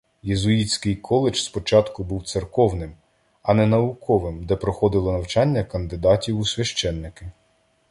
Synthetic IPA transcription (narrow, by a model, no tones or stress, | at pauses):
jezʊit͡sʲkɪjkʰɔlˠɪt͡ʃspɔt͡ʃɑt̪kʊbuwt̪sɪrkɔwnɪm | ɐnɛnɐʊkʰɔʋɪmd̪ɛpɾɔxɔd̪ɪlˠɔnɐwt͡ʃɑnʲːɐkɐnd̪ɪd̪ɑtʲiwusʲʋʲɐʃt͡ʃɛnːɪkɪ